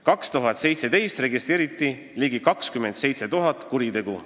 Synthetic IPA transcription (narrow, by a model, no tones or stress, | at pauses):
kɑkst̪uɦɑt̪se̞jt̪se̞t̪e̞jst̪re̞ɡist̪ɾe̞ːɾit̪ˑːi | liɡ̥ikɑkskyme̞nd̪se̞jt̪se̞t̪uɦɑt̪ːˑkuɾit̪e̞ɡ̥u